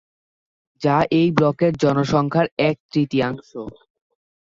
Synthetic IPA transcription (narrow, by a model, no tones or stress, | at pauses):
d͡ʑaʔejblɔkeɾd͡ʑɔnoʃɔŋkʰaɾɛk̚t̪ɾit̪iaŋʃo